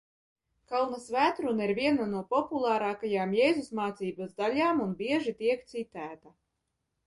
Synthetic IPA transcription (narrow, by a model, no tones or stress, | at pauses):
kawnasvæːt̪ɾunaiɾvʲiɛnanuɔpɔpulˠaːɾaːkajaːmjɛjzusmaːt̪siːbazd̪alʲaːmunbiɛʒit̪iɛkt̪sit̪æːt̪a